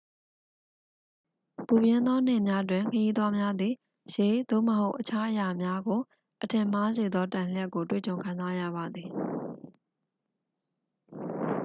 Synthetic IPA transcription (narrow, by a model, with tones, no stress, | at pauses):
pu˨bjɪ̃˦nd̪ɔ˦n̥ɪ̰̃˦˨mja˦t̬wɪ̃˨ŋkʰəji˦d̪wa˦mja˦d̪ði˨ | ʃe˨d̪o̰˦˨məɦo˦ʊʔət͡ɕʰa˦ʔəja˨mja˦ɡo˨ | ʔətʰɪ̃˨m̥a˦ze˨d̪ɔ˦tã˨l̥jɛ˦ʔkːo˨twḛ˦˨t͡ɕõ˨kʰã˨nza˦ja̰˦˨βa˨d̪ði˨